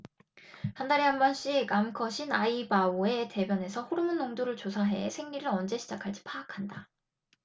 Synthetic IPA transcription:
handaɾiɦambʌnɕ͈ikamkʰʌɕʰinaibaue̞te̞bjʌne̞sʰʌɸuɾɯmɯnːoŋdoɾɯɭt͡ɕosʰaɦe̞̰sʰeŋɲiɾɯɾʌnd͡ʑe̞ɕʰid͡ʑakʰaɭd͡ʑ͈i̥pʰaːkʰanda

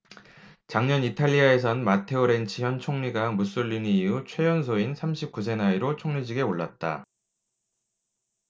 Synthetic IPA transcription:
t͡ɕaŋɲʌnitʰaʎːiae̞s̬ʰʌnmatʰe̞oɾe̞nt͡ɕʰiçjʌnt͡ɕʰoŋɲiɡaŋmus͈uʎːiniːut͡ɕʰwe̞jʌnsʰoinsʰamɕʰip̚k͈us̬ʰe̞naiɾot͡ɕʰoŋɲid͡ʑiɡe̞oɭːa̰t̚t͈a̰

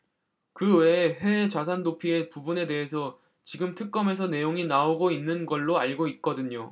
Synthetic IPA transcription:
kɯwe̞ɸwe̞ːt͡ɕas̬ʰandopʰie̞pubune̞de̞ɦesʰʌ | t͡ɕiɡɯmtʰɯk̚k͈ʌme̞s̬ʰʌne̞joŋinaoɡoinːɯnɡʌɭːoaɭɡoit̚k͈ʌdɯɲo

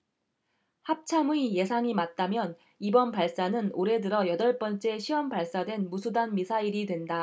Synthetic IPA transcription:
hap̚t͡ɕʰamuije̞sʰaŋimat̚t͈amjʌn | ibʌnpaɭs͈anɯnoɾe̞dɯɾʌjʌdʌɭp͈ʌnt͡ɕ͈e̞ɕʰiʌmpaɭs͈adwe̞nmusʰudanmisʰaiɾidwe̞nda

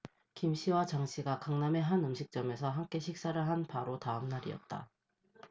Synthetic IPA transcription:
kimɕʰiwat͡ɕaŋɕʰiɡakaŋname̞ɦanɯmɕʰik̚t͡ɕ͈ʌme̞sʰʌɦamk͈e̞ɕʰik̚s͈aɾɯɭɦanpaɾotaɯmnaɾḭʌ̰t̚t͈a̰

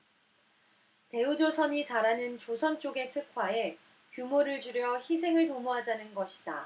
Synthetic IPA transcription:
te̞ud͡ʑosʰʌɲit͡ɕaɾanɯnt͡ɕosʰʌnt͡ɕ͈oɡe̞tʰɯkʰwae̞ | kjumoɾɯɭd͡ʑuɾjʌçis̬ʰe̞ŋɯɭtomoɦad͡ʑanɯnɡʌɕʰi̥d̥a̰

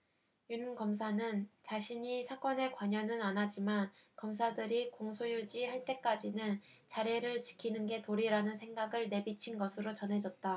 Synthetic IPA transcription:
junɯmkʌms̬ʰanɯnt͡ɕaɕʰiɲisʰak͈wʌne̞kwaɲʌnɯnanɦad͡ʑimankʌmsʰadɯɾikoŋsʰojud͡ʑihaɭt͈e̞k͈ad͡ʑinɯn | t͡ɕaɾeɾɯɭt͡ɕi̥kʰinɯnɡe̞toɾiɾanɯnsʰe̞ŋɡaɡɯɭne̞bit͡ɕʰinɡʌsʰɯɾot͡ɕʌnɦe̞d͡ʑʌt̚t͈a

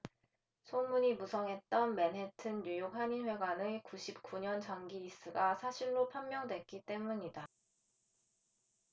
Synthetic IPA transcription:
sʰomuɲimusʰʌŋɦe̞t̚t͈ʌnme̞nɦe̞tʰɯnːjujok̚ɦaɲinɸwe̞ɡwanɯkuɕʰip̚k͈uɲʌnt͡ɕaŋɡiɾis͈ɯɡasʰaɕʰinɾopʰamːjʌŋdwe̞t̚k͈it͈e̞muɲida

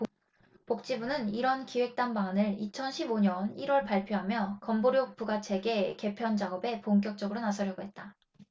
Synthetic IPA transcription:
pok̚t͡ɕ͈ibunɯniɾʌnkiwe̞k̚t͈anbaŋanɯɭit͡ɕʰʌnɕʰiboɲʌniɾwʌɭpaɭpʰjoɦamjʌkʌmboɾjok̚p͈uɡat͡ɕʰe̞ɡe̞ke̞pʰjʌnd͡ʑaɡʌbe̞poŋk͈jʌk̚t͡ɕ͈ʌɡɯɾonasʰʌɾjʌɡoɦe̞t̚t͈a

